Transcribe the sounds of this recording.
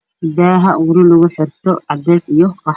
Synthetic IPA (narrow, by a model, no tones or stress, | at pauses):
ɪd̪aːɦɐwʊɾɪlʊɣʊħɪrt̪ʰɔɑd̪ɛːsijɔkɑ